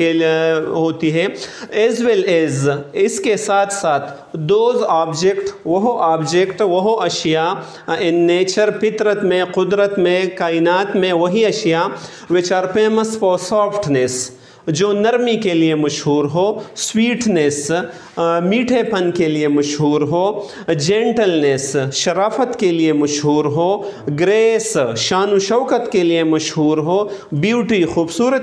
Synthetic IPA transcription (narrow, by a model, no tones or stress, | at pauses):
eɦoːt̪iɦɛːeːzʋeleːzɪskesaːt̪ʰsaːt̪ʰ | d̪oːzaːbd͡ʒekʈʋɐɦoʔaːbd͡ʒekʈʋɐɦoʔɐʃja | ɪnːeːt͡ʃəɾpɪt̪ɾət̪mẽqʊd̪ɾət̪mẽkaːɪnaːt̪mẽʋɐɦiɐʃija | ʋɪt͡ʃaːɾpeːməsfɔːɾsɔːpʰʈnes | d͡ʒoːnɐɾmikeliemɐʃɦuːɾɦoːswiːʈnes | miːʈʰepʰɐnkeliemɐʃɦuːɾɦoː | d͡ʒẽːɳʈəlnesʃɐɾaːfət̪keliemɐʃɦuːɾɦoːɡɾeːsʃaːnuʃɐːkət̪keliemɐʃɦuːɾɦoːbjuːʈixuːbsuːɾət̪